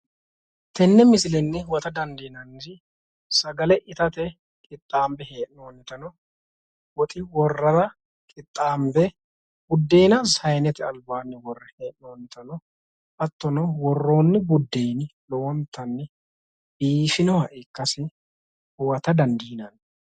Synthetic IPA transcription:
t̪ɛnːɛmɪsɪlɛnːɛwɐt̪ɐd̪ɐnd̪iːnɐnɪ | sɐɡɐlɛʔɪt̪ɐt̪ɛ | kʼɪt̪ʼːaːmbɛheːʔnoːnːɪt̪ɐnɔ | wɔt̪ʼɪwɔrːɐɾɐ | kʼɪt̪ʼːaːmbɛ | bʊd̪ːeːnɐzhɐjnɛt̪ɛɐlbaːnːɪwɔrːɐheːʔnoːnːɪt̪ɐnɔ | ʔɐt̪ːɔnɔwɔrːo̞ːnːɛbʊd̪ːeːnlɔwɔnt̪ʰːɐnːɛ | biːfɪnɔhɐʔɪkːɐsɪ | wɐt̪ɐd̪ɐnd̪iːnɐnː

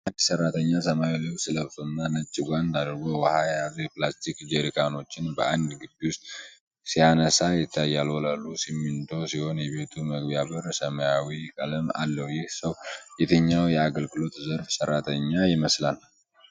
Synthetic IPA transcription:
and̪sərːat̪ʰəɲːasəmawilɨwsɨləβsʰonːanət͡ʃʼːɪɡʷand̪ad̪ɾɨɡo̞wəhajazjɛplast̪ʰikd͡ʒeɾikʰano̞t͡ʃːɪnbəʔand̪ɡɨbːiwʊst̪̚ | sijanəsajɪt̪ʰːajːalwɔlalːusimːint̪ʰo̞siho̞njɛβe̞t̪ʰuməɡbjaβəɾsəməjawikʼələma̰lːəwjɪhsəwjɛt̪ʰəɲːawjɛaɡəlɡɨlo̞t̪zəɾfsəɾːat̪ʰəɲːajɪməslal

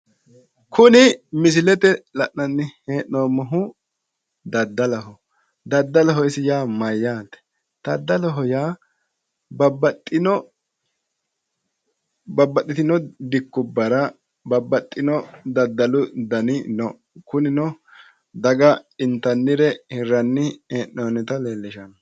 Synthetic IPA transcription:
kʰʊnɪmɪs̬ɪlɛt̪ɛlɐʔnɐnːɪheːʔnoːmɔɦʊ | d̪ɐd̪ːɐlɐɦɔ | d̪ɐd̪ːɐlɐɦɔɪsɪjaːmɐjːaːt̪ɛ̥ | t̪ɐd̪ːɐlɔɦɔjaː | bɐbɐt̪ʼːɪnɔ | bɐbːɐt̪ːɪt̪ɪnɔd̪ɪkːʊbːɐɾɐ | bɐbːɐt̪ʼːɪnɔd̪ɐd̪ːɐlʊd̪ɐnɪnɔ | kʊnɪnɔ | d̪ɐɡɐɪnt̪ːɐnːɪɾɛhɪrːɐnːɪheːʔnoːnɪt̪ɐleːlːɪʃɐn

